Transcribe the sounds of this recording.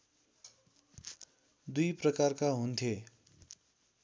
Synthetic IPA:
d̪ujprʌkarkaɦunt̪ʰje

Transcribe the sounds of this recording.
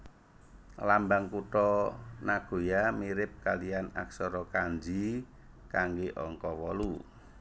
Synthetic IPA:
lambaŋkuʈɔnaɡ̥o̤jamiɾɪp̚kalijana̰ksɔɾɔkaɲd͡ʒi | kaŋɡeʔɔ̰ŋkɔwɔlu

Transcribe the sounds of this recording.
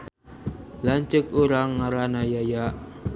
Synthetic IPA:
laɲt͡ʃʊkuɾaŋːaɾanajajaʔ

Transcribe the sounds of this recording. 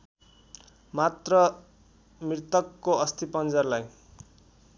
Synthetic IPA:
mat̪rʌ | mirt̪ʌkːoʌst̪ipʌnd͡zʌrlaj

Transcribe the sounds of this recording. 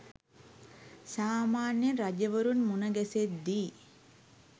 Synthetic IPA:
saːmaːnjəɾad͡ʒəʋəɾunmunəɡæset̪d̪i

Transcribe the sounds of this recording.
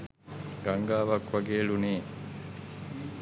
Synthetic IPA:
ɡ̥ɐŋɡaːʋɐkʋɐɡeːɭuneː

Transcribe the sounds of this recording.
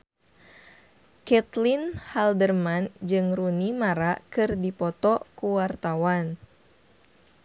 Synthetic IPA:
kɛt̪linhaldərmand͡ʒɨŋrunimaɾakɨrdipɔt̪ɔkuwart̪awan

